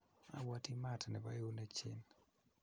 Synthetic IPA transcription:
a̰˨wa˦ti˦matnɛ˨ba˦jo˦ne˦t͡ʃɪ˦n

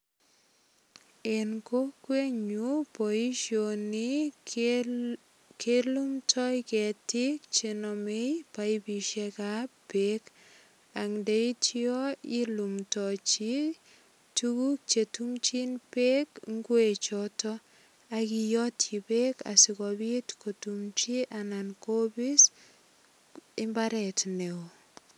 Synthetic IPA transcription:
e˨nko˦kwe˦ɲu˦pɔ˨i˦ʃo˨ni˦ | ke˦lu˦mtʰɔ˦jkɛ˨tɪ˦k̚t͡ʃe˨nɔ˨me˦jpa˨i˦bi˨ʃe˦ka˦pe˦k | a˨ŋde˨i˦tiɔ˦i˦lu˨mtɔt͡ʃi | tukuk̚t͡ʃetumt͡ʃinpekŋɡwe˨t͡ʃɔtɔ | akijɔ˦tʰi˨beka̰sikɔbitkotumt͡ʃiʔanankobi˦s | ɪ˦mbaɾɛtneo

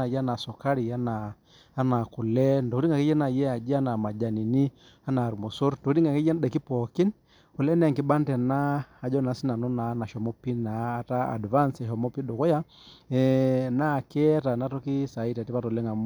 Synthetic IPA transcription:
a˨ja˦na˨sɔ˨ka˦ɾi˨a˦naː˨˦ | na˨ku˨lɛ˦nto˨ku˦ɾi˦ŋɡa˨ki˦jɛ˦na˨jɛ˦a˨d͡ʒi˦a˦na˨ma˨d͡ʒa˨ni˨ni˦ | a˦naː˨ɾmo˨so˦ɾtkɾi˦ŋa˨ki˦jɛ˦n˦ɗɛ˨ki˦pɔ˨ki˦n | u˨lɛ˦nɛ˨ŋki˦ɓa˦ntɛ˨naː˦˨d͡ʒɔ˦na˨˦si˦na˨nɔ˦na˨˦na˨ʃɔ˨mo˦pːi˦naː˨˦˨ta˦a̰˨dva˦nsɛ˨ʃɔ˨mo˦pi˦ɗo˨kɔ˦ja˦ | ɛ˨˦na˦˨kɛ˦ta˨na˦tɔ˦ki˦sa˨i˦ta˨ti˦pa˦to˨lɛ˦ŋa˨m

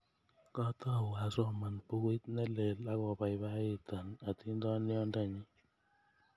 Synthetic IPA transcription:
kɔ˦tɔ˦˨wa˨sɔ˦˨ma˨npu˦ɡe˦t̪̚nɛ˦le˨la˦kɔ˨ba˨ɪ˨ba˦ɪ˦ta˨na˨ti˦ndɔ˦nɪ˦ɔ˦nda˦˨ɲɪ˦

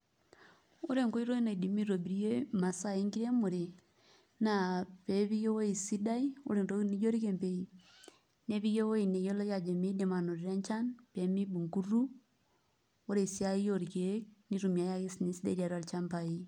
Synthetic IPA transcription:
o˦ɾe˦˨ŋko˦i˦ɾo˦i˦na˨i˨di˨mi˦ɾo˨bi˨ɾi˦je˦ma˨sa˦˨e˦ŋɡi˦ɾe˦mu˨ɾe˨ | na˨pe˨βi˦jo˦wo˦i˨si˦da˦i˦o̰˦ɾe˨nto˦i˦ni˦d͡ʒo˦ɾi˦ke˨mpe˨i | ne˦βi˦je˦wo˦i˨ne˨jo˦lɔ˦ja˨d͡ʒe˨me˦di˨ma˨no˨ɾi˨ɾa˦ɲt͡ʃa˦npe˨mi˦bu˨ŋku˦ru˦ | o˦ɾe˨i˨sja˦i˦jo˦ɾi˨ke˦ni˦ɾu˨mja˨ja˦ke˦sni˨si˦da˦˨˦ɾa˨ɾa˨lt͡ʃa˦mpa˨i˦

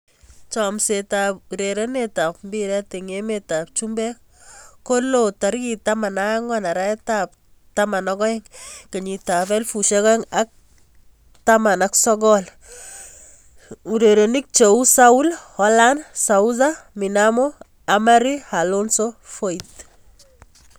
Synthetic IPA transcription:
t͡ʃɔmse˨tap̚u˨ɾe˨ɾe˦neta˨p̚mbiɾɛ˦te˨ŋemeta˨p̚t͡ʃumbɛ˦ | ko˦lota˨ɾki˨tama˨na˦ŋɔna˨ɾa˦ɛtap̚ | tama˨nɔkɔ˦e˦ŋke˨ɲi˨ta˨fɛ˦lfu˨ʃekɔ˦e˦ŋak̚ | tama˨naksɔ˦ɡɔ˦l | u˨ɾeɾe˨ni˦k̚t͡ʃe˨u˦sau˦lhɔ˦la˦nsa˨uz̬ami˨namo˦ | ama˦ɾi˦ha˨lo˦nso˦fo˦it

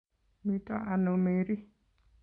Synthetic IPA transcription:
mi˨tɔ̰˦a˨no˨me˨ɾi˦

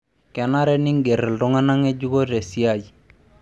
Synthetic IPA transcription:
kɛ˨na˦ɾɛ˦nɪ˦ŋɡe˨ɾɛ˨ldʊ˦ŋa˦na˦ŋe˦d͡ʒu˦ko˦te˨si˦a˦˨d͡ʒi˨

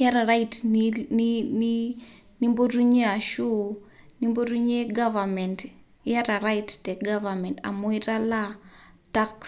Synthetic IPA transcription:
ja˦ɾa˨ɾajtninini | ni˦mbo˦tu˦ɲe˦a˨ʃu˦ | nimbo˦ɾu˦ɲe˦ɡavamɛ˨nt | jaɾa˨ɾajttɛ˨ɡavamɛnta̰˨mo˦i˦ta˦lataks

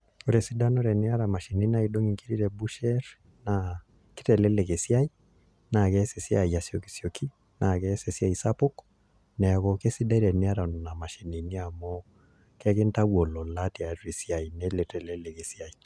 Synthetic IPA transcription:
o˦ɾɛ˨si˦da˦nɔ˦ɾɛ˨nɪ˦a˦ɾa˨ma˨ʃi˨ni˦na˦i˨do˦ŋi˨ŋki˦ɾi˦ɾɛ˨bu˦ʃɛ˦ɾ | na˨ | kɪ˦tɛ˨lɛ˦lɛ˨ke˨sja˦i˦ | na˨kɛ˦se˨si˦a̰˨ja˨sjo˨ki̥˨sjo˨ki˦ | na˨kɛ˦se˨sja˨i˨sa˦po˦k | nɛ˨a˨kɔ˨ke˦si˦da˦i˦ɾɛ˨nɪ˦a˦ɾa˨n˨na˨ma˨ʃi˨ni˨ni˦a˨mɔ˦ | kɛ˦kɪ˦nta˦wo˨lɔ˨la˦ti˨a˨˦ti˨si˦a˨i˨nɛ˦le˨tɛ˨lɛ˦lɛ˨ke˨si˦a˨i˨

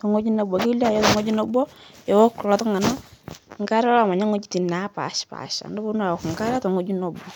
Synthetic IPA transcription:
tɔ˨ŋo˦d͡ʒi˦no˦˨bɔ˨ki˦la˦˨jɔ˦tɔ˨ŋo˦d͡ʒi˦nɔ˦bɔ˦jɔ˨wɔ˦klɔ˨˦tɔ˦ŋa˨na˦˨ŋka˦ɾa˦la˦˨ma˨ɲa˦ŋo˦t͡ʃi˦ti˨na˨˦pa̰˨ʃpa̰˨ʃa̰˨ndɔ˦bo˦n˦a˨wɔ˨kŋka˦ɾa˦tɔ˨ŋo˦d͡ʒu˦nɔ˨bɔ˨

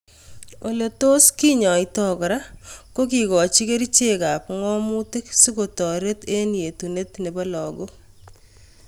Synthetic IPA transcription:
o˨le˨to˦ski˦ɲɔ˨ɪ˦tɔ˦kɔ˨ɾa˦ko˦ki˨ɡɔ˨t͡ʃi˦ke˦ɾi˦t͡ʃe˦ka˨pŋɔ˦mʊ˦tɪ˦ksi˦ko˨tɔ˨ɾe˦te˦nje˨tu˨ne˦tne˨ba˦lɔ˨ɡo˦

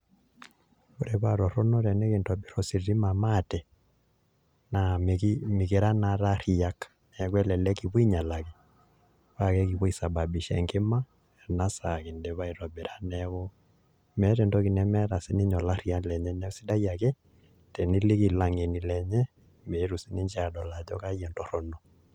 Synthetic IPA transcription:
βo˨ɾɛ˨βa˨ɾɔ˨ɾɔ˦nɔ˦ɾɛ˨ne˦ke˨ntɔ˨bi˦ɾɔ˨si˨ɾi˦ma˨ma˦˨tɛ˨ | na˨m˨mi˨ɣe˨ɾa˦na˨ɾa˦ɾi˨a˦k | nɛ˨kwɛ˦lɛ˨lɛ˦ki˨βɔ˦i˦ɲa˨la˨ke˨ | βa˦kɛ˦ki˨βɔ˦i˨sa˨ba˨bi˨ʃɛ̰˨ŋɡe˦ma˦ | ɛ˨na˦sa˨ki˨ndɛ˨˦βa˦i˨ɾɔ˨be˨ɾa˦nɛβɔ˦ | mɛ˦tɛ˨ntɔ˦ki˨nɛ˦mɛ˦ɾa˨si˦ni˦ɲɔ˨la˦ɾi˦a˦lɛ˨ɲɛ˦nɛ˦si˦da˦ja˨kɛ˦ | tɛ˨ni˦le˦ki˨la˨ŋe˨ni˨lɛ˨ɲɛ˦ | me˨˦ɾu˨si˦ni˦ɲd͡ʒa˨ɗɔ˨la˨d͡ʒɔ˦ka˦jɛ˨ntɔ˨ɾɔ˦nɔ˨

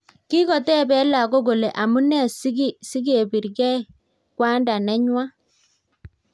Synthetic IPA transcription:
ki˦ɣɔ˨tɛ˦˨bɛ˦la˨ɡo˦ɡo˨le˨ʔa˨mu˦nɛ˦˨si˦ɡi˦si˦ɡe˨bi˨ɾɡɛ˦ | kwa˦nda˨nɛ˦ɲwa˦

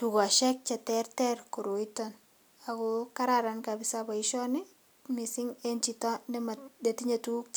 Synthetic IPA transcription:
tuɡɔ˨a˨ʃɛ˦k̚t͡ʃɛ˨tɛrtɛrko˨ɾo˨itɔn | a˨ɡɔka˦ɾaɾankabɪ˨saba˨ɪʃɔnɪ˦ | mi˨sɪ˦ŋent͡ʃi˨tɔ˦dɛ˦ma˨de˨ti˦ɲa˨tuk̚

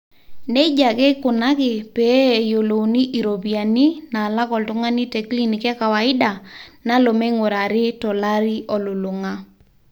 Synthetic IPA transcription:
ne˦d͡ʒa˨kɛ˦kʊ˨na˦kɪ˨pɛ˨˦˨jo˨lo˨ni˦ʔi˨ɾo˨bi˨a˨ni˦na˨la˦kɔ˨ltʊ˦ŋa˦ni˦tɛ˨kli˦ni˨kɛ˦ka˨wa˨ɪ˦da˨na˦lo˨me˦ŋo˨ɾa˨ɾɪ˦tɔ˨la˦ɾi˦ʔɔ˨lʊ˨lʊ˨ŋa˦

